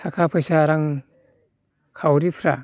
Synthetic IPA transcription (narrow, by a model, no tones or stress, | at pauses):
sʰakʰapʰɯjsaɾaŋ | kʰawɾipʰɾa̰